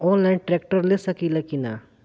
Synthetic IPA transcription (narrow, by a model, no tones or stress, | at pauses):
ɔːnlaːinʈɾeːkʈəɾlesɐkilɐkina